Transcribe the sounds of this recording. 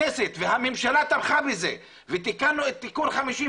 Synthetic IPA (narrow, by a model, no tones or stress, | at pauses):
eset̪veɦamemʃalat̪amχabeze | vet̪ikanuet̪̚ːikunχamiʃi